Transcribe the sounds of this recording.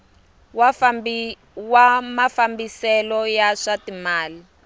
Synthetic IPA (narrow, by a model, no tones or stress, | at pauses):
w | wamafambisɛlɔjaʂatimaːli